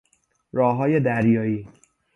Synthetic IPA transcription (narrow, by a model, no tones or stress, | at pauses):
ɾɒːɦɒːje̞d̪æɾjɒːiː